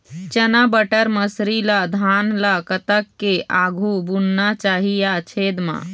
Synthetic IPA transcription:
t͡ʃənabəʈəɾməsɾilad̪ʱanlakət̪əkːeʔaɡʱubunnat͡ʃaɦijat͡ʃʰed̪mã̰

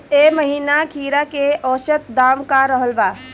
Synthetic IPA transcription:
eməɦiːnakʰiːɾakeʔɔːʃət̪̚d̪amkaɾəɦəlba

